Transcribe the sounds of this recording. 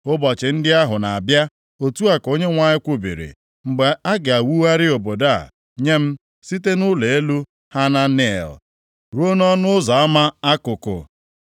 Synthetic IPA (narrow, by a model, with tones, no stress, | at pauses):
ʊ˦bɔ˨t͡ʃɪ˨n̩˦dɪ˦a˦ɦʊ˨na˨a˨bja˦ | o˨tu˦a˨ko˦ɲe˦ŋʷa˦ɲɪ˦kʷʊ˦bḭ˨ɾḭ˨ | ŋ͡m̩˨ɡ͡be˨a˦ɡɪ˨a˨wu˦wa˦ɾɪ˦o˨bo˨da˦˨ | ɲe˦m̩˦ | si˦te˦nʊ˦le˨e˦lu˦ | ha˦na˦nḛ˦˨l | ɾu˦o˦nɔ˦nʊ˦ʊ˦zɔ˨a˦ma˦a˦kʊ˨kʊ̰˨